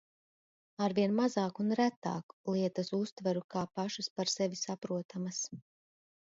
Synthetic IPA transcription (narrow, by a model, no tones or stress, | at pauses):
aɾviɛnmazaːkunɾæt̪a̰ːku̥lˠiɛt̪ɐsust̪vaɾukaːpaʃuspaɾsɛvisapɾuɔt̪ʰamɐs